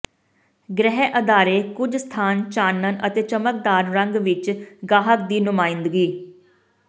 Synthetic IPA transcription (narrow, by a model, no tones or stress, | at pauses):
ɡɾɛɦɛʔəd̪aːɾeːkʊd͡ʒst̪ʰaːnt͡ʃaːnənʔət̪eːt͡ʃəmək̚d̪aːɾɾəŋɡʋɪt͡ʃɡaːɦək̚d̪iːnʊmaːɪ̃nd̪ɡiː